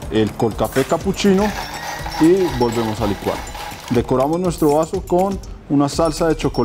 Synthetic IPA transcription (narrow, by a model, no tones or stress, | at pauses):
e̞lko̞lkafe̞kaput͡ʃino | ibo̞lbe̞mo̞salikwa̰l | d̪e̞ko̞ɾamo̞znwe̞st̪ɾoβasokon | unasalsaðe̞t͡ʃo̞ko